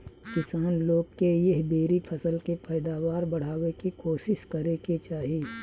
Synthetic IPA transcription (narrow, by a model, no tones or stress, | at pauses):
kɪsaːnloːɡ̚kejɪɦbeːɾipʰɐsəlkepʰəːɪd̪aːwaːɾbɐɽ̤aːwekikoːʃɪʃkɐɾeket͡ʃaːɦiː